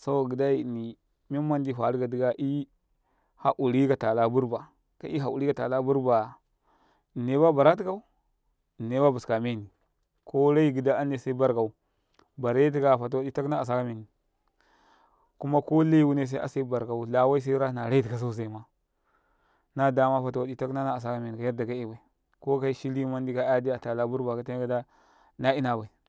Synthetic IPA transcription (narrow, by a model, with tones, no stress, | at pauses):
sa˦wa˨ɡi˨da˦i˨ni˨ | me˦ma˦ndi˦fa˨ɾɡa˨di˦ɡa˦ʔi˦ | ha˨ʔu˨ɾi˦ka˨ta˨la˦bu˦ɾba˨ | ka̰˦ʔi˦ɦa˨u˨ɾi˦ka˨ta̰˨la˦bu˦ɾba˨ | ne˦ba˦ba˨ɾa˦t̬i˦ka˦u˦˨ | nːe˦ba˦bu˨ska˨me˦˨ni˨ | ko˦ɾa˦i˦ɡi˨da˦a˦ne˨sa˦i˦ba˦ɾka˨u˨ | ba˨ɾe˦t̬i˦ka˨fa˨t̬a˨wa˦di˦ta˦kna˦a˨s̬a˦ka˦me˨ni˨ | ku˦ma˦ko˦la˦i˦wu˦ne˦s̬a˦ʔa̰˨sa˦i˦ba˨ɾka˨u˨la˨wa˦i˦s̬a˦i˦ɾa˦na˨ɾa˦i˦ti˨ka˨s̬a˦u˦˨s̬a˨i˨ma˦ | na˦da˨ma˦fa˨ta˨wa˨di˦ta˦kna˦na˦a˨s̬a˦ka˦me˨ni˨ka˨ja˦ɾda˨ɡa˦e˦ba˨i˨ | ko˦ka˦i˦ʃi˦li˦ma˦n˦di˦ka˦a˦di˦a˨ta˨la˦bu˦ɾba˨ka˨ta˦n˦ɡa˦da˦ | na˦i˦na˨ba˨i˨